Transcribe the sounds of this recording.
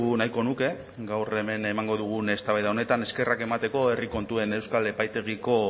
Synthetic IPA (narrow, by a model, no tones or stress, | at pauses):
ɣunajko̞nuke̞ | ɡawre̞me̞ne̞maŋɡo̞ðuɣ̞une̞st̪aβajðaone̞t̪ane̞ske̞rake̞mat̪e̞ko̞e̞riko̞nt̪ue̞ne̞wskale̞pajt̪e̞ɣ̞iko̞